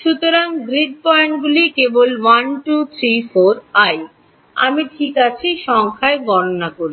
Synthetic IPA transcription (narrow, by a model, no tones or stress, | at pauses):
ʃut̪oɾaŋɡɾiɖ̚pɔeɳʈɡulikebolwanʈut̪ʰɾifoɾaj | a̰miʈʰikat͡ɕʰiʃɔŋkʰaeɡɔɾonakoɾi